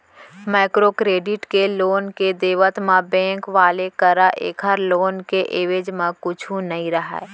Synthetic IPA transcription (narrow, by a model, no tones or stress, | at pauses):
maːkɾokɾeːɖɪʈkeloːnked̪eːʋət̪mãbɛ̃ːŋkʋaːlekəɾaʔḛːkʰəɾloːnkeʔeːʋeːd͡ʒmẽkʊt͡ʃʰũnəɦĩɾəɦɛ̰ː